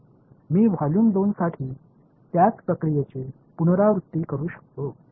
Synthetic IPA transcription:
miːʋ̤ʱaluːnd̪onsaʈʰiː | t̪jat͡spɾəkɾijet͡ɕe | punɾaʋɾut̪ːiːkəɾuːɕə̥k̚t̪o

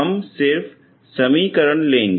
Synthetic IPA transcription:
ɐmsɪɾfʰ | sɐmiːkəɾəɳlẽːŋɡ

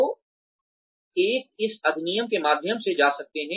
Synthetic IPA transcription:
o | eːk̚ɪsɐd̪nijəmkemaːd̪ʱjəmsed͡ʒaːsɐk̚t̪eɦɛ̃

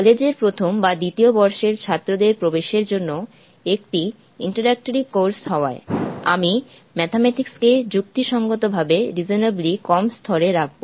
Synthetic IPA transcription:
kɔled͡ʑeɾpɾot̪ʰombad̪it̪iobɔɾʃeɾt͡ɕʰat̪ːɾod̪eɾpɾobeʃeɾd͡ʑonːo | ek̚ʈi | iɳʈaɾɛk̚ʈoɾikoɾsɦɔoa̰ea̰mi | mɛt̪ʰamɛʈiksked͡ʑuk̚t̪iʃɔŋɡot̪obʱabeɾid͡ʑoneblikɔmst̪ʰɔɾeɾak̚ʰbo

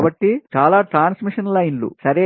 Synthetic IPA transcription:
bɐʈːit͡ʃaːlaːʈɾaːnsmiʂɐnlɐjnlṵsɐɾeː

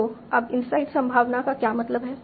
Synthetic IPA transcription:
oɐbɪnsaːɪksɐ̃mbʱaːʋnakakjaːmɐt̪ləbɦɛː

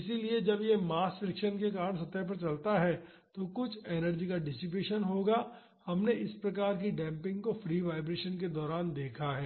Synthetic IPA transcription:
ɪsilied͡ʒɐbjemaːsfɾɪkʃənkek̬aːɾənsɐt̪ɛɦp̬ɐɾt͡ʃɐlt̪aɦɛː | t̪okʊt͡ʃʰɛːnəɾd͡ʒikaɖɪsɪp̬eːʃənɦoːɡa | hɐmneʔɪspɾɐkaːɾk̬iɖɛ̃ːmpɪ̃ŋɡkofɾiːʋaːɪbɾeːʃənk̬ed̪ɔːɾaːnd̪eːkʰaɦɛː

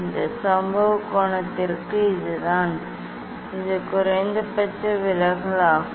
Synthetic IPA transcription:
nd̪ɐsɐmbɐʋɯkɔːɳɐt̪ːɪɾkɯɪðɯðaːn | ɪðɯkʊɾɐɪnd̪ɐpɐt͡ʃːɐʋɪlɐɣɐɭaː

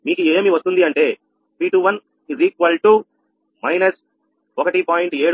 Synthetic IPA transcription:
miːkueːmiʋɐst̪und̪iɐɳʈe̞ː | piːʈuʋɐn | iziːkʋɐlʈu | mɐjnɐs | ɔkɐʈipaːjiɳʈeːɽ

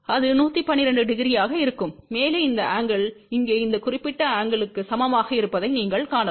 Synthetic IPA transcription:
ɐðɯnuːt̪ːipɐnːɪɾɐɳɖɯɖɪɣɪɾɪjaːɣɐɪɾɯkːɯmːeːleːɪnd̪ɐʔaːŋɡɐɭɪŋɡeːɪnd̪ɐkʊrɪpːɪʈːɐaːŋɡɐɭɯkːɯsɐmɐmaːɣɐɪɾɯpːɐðɐɪniːŋɡɐɭkaːɳɐ

